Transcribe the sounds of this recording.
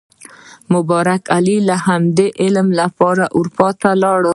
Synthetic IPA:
mʊbɑɾakʰalilahamd̪eʔɪlmlapɑɾaʔʊɾpɑt̪alɑɽ

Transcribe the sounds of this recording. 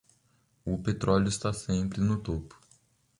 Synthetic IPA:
ʊpet̪ɾɔljʊɪst̪asẽmpɾɪnʊt̪opʊ̥

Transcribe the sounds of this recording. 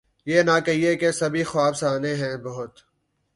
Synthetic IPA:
jeːnakɐɦiekesɐbʱixwaːbsaːneɦɛ̃ːbɐɦʊt̪

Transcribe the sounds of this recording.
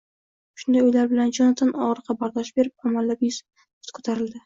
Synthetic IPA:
ʃʊnd̪ajojlaɾbɪland͡ʒɒnat̪ʰanʔɒʁɾɨqʰɑbaɾd̪ɒʃbe̞ɾɪp̚amalːabjʊzʰ | ʊ̥t̪kʰo̥t̪ʰaɾɪld̪ɪ

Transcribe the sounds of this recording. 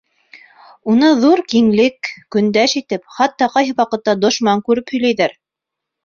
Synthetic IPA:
unɤðuɾkiŋlɘkːɵ̆nd̪æʃit̪ɘpχɑt̪ːɑqɑjɦɤwɑqɤ̆t̪ːɑd̪ŏʃmɑŋkʉɾɘphɵ̆jlæjðæɾ

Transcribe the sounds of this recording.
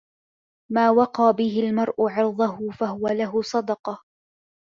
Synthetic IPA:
maːwɑqɑːbɪhɪlmɑɾˤʔʊʕɪɾd̪ˤʊhʊfahʊwalaɦʊsˤɑd̪ɑqɑ

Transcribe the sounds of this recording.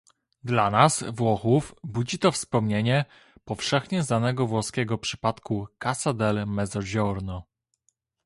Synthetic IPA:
d̪lanasvwɔxufbud͡ʑit̪ɔfspɔmɲeɲɛ | pɔfʂɛxɲɛznanɛɡɔvwɔskʲɛɡɔpʂɘ̥pat̪kukasad̪ɛlmɛzɔd͡ʑɔɾnɔ

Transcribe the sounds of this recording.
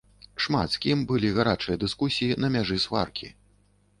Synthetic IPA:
ʂma̰t̪skʲimbɨlʲiɣaɾat͡ʂɨjɐd̪ɨskusʲijinɐmʲaʐɨsva̰rkʲʰḭ

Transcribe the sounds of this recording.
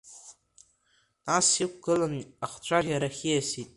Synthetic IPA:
nasikʷɡ̥ɨlanaχt͡ɕʷʰʼaraɾaχʲijasitʼ

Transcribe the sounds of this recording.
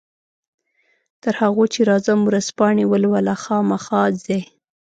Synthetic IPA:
t̪əɾhaɣot͡ʃeɾɑzamuɾaspɑɳewəlwalaxɑmaxɑze

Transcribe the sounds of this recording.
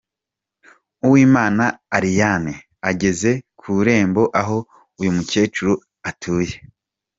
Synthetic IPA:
uwiːmaːnaːɾijane | aɟe̞ze̞kʰuɾe̞ːmbo̞ʔaɦo̞ | ujumuce̞ːt͡ʃuɾu | atʰuːje̞

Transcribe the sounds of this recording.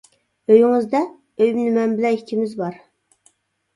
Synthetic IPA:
øjɪŋɨzd̪ɛ | øjmnɪmɛnbɪlɛnikʲʰimɪzbɑɾ

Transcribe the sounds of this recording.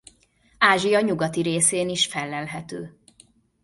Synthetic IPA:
aːʒijɒɲuɡɒt̪iɾeːseːniʃfɛlːɛlɦɛt̪øː

